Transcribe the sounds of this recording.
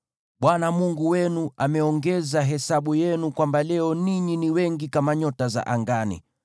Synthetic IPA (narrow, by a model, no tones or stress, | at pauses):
ɓwanamuŋɡuwɛnuamɛɔŋɡɛzaɦɛsaɓujɛnukwambalɛɔniɲiniwɛŋɡikamaɲɔtaza̰ʔaŋɡanḭ